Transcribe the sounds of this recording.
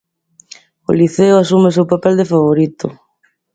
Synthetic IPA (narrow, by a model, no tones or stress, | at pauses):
o̰liθeoasumesewpapɛld̪efaβoɾit̪ʊ̰